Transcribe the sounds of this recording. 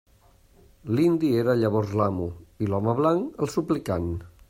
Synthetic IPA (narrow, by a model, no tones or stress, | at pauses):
lind̪ieɾaʎəβ̞ɔzlamuilɔməβlaŋəlˠsuplikan